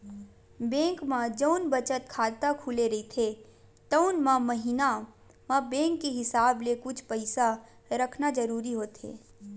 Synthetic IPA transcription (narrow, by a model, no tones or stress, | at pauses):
bẽːŋkmãd͡ʒəʊnbət͡ʃət̪̚kʰaːt̪akʰuleɾɐit̪ʰet̪əʊnmãməɦina | mãbẽːŋkːiɦɪsaːblekʊt͡ʃʰpəɪsa | ɾəkʰnad͡ʒəɾuːɾiɦoːt̪ḛː